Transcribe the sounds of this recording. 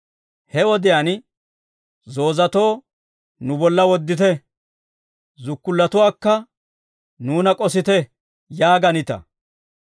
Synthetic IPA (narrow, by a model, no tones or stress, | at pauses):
hɛwɔd̪ɪjaːn | zo̞ːzɐt̪o̞ː | nʊbɔlːɐwɔd̪ːɪt̪ɛ | zʊkːʊlːɐt̪ʊwaːkːɐ | nuːnɐkʼɔsɪt̪ɛ | jaːɡɐnɪt̪ɐ̰